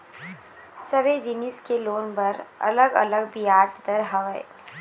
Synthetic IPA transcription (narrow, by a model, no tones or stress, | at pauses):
sɐʋed͡ʒɪnɪskeloːnpɐɾɐ̰ləɡɐ̰ləɡbijaːʈd̪əɾɦɐʋəḛ